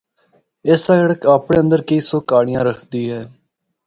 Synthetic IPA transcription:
ɪsəɡəɽəkaːpɳeːə̃nd̪əɾkəiːsoːkaːɽɪjãːɾəkʰd̪iːɦɛː

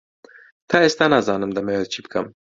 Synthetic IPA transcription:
t̪ʰɑːeːst̪aːnaːzɑːnɨmd̪ɐmewɛt͡ʃʰiːbɨkʰɐm

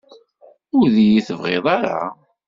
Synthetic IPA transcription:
ʊɾðijiθəvʁeðˤɑɾˤa̰

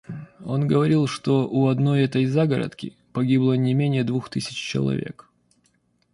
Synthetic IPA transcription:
o̞nɡəvɐɾʲilˠʂt̪o̞ʔʊɐd̪no̞jɛt̪əjzaɡəɾə̰t̪kʲɪ | pɐɡʲiblˠənʲɪmʲenʲɪjəd̪vuxt̪ɨsʲɪ̥t͡ɕt͡ɕɪ̰lˠɐ̰vʲe̞̰k

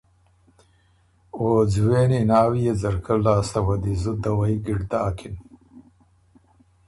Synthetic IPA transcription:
oːd͡zweːninaːwijed͡zɐɾkɐlaːst̪ɐwɐd̪izud̪ɐwɐjɡiɖd̪aːkʰin

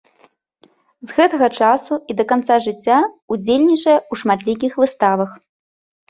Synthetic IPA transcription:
zɣɛt̪ɐɣɐt͡ʂasuid̪ɐkant̪saʐɨt͡sʲːaud͡zʲelʲnʲit͡ʂɐjɛuʂmat̪lʲik̬ʲixvɨst̪avɐx

